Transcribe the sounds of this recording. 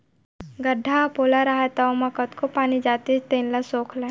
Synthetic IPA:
ɡɐɖʱːapoːlaɾaːɦet̪aomakət̪kopaːnid͡ʒaːt̪it͡ʃt̪eːnlasoːkʰlẽ

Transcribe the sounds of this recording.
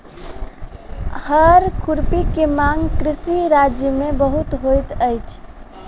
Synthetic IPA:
həɾkʰuɾpikemaŋɡkɾisiɾad͡ʒjəmebəɦut̪ɦojt̪əjt͡ʃʰ

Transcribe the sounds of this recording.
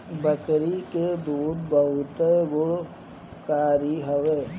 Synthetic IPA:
bəkɾiked̪uːd̪bəɦʊt̪eɡʊɭ | kaːɾiɦəʋeː

